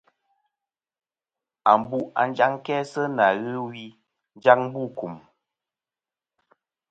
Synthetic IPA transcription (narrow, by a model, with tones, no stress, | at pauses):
a˨m˨bu˦a̰˨n˦d͡ʒa˦ŋ˦kɛ˦sə˦na˨ɣɨ˦wi˦ | n˦d͡ʒa˦ŋ̚˦bu˦˨ku˨m